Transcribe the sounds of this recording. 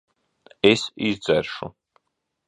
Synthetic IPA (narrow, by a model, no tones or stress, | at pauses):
ɛsizd̪zɛɾʃṵ